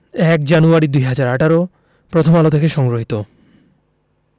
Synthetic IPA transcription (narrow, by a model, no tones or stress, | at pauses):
ɛkd͡ʑanuaɾid̪ujɦad͡ʑaɾaʈaɾo | pɾot̪ʰomalot̪ʰekeʃɔŋɡɾoɦit̪o